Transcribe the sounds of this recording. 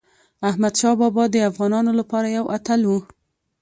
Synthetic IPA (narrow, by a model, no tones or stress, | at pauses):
ahmad̪ʃɑbɑbɑd̪əafɣɑnɑnolapɑɾajawʔat̪alwu